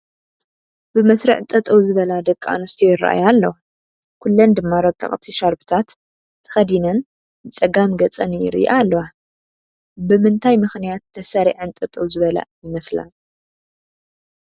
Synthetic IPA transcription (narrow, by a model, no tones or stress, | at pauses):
b̥ɨmɐsɾɐʕt̪ʼɐt̪ʼɐwzɨβɐlad̪ɐkʼːaa̰nɨst̪ʰijojɪra̰ʔa̰jalːɐw | kʰulːɐnd̪ɨmːaɾɐkʼːɐ̰χʼt̪ʰiʃaɾbɨt̪ʰat̪ʰː | ɐ̥xɐd̪inɐn | ɨt͡sʼɐɡamɡɐt͡sʼɐnjɪ̰ɾḭʔalːɐwa | bɨmɨnt̪ʰajmɨxnijat̪ʰːɐsɐɾḭʕɨnt̪ʼɐt̪ʼɐwzɨβɐla̰jɪmɐsla̰l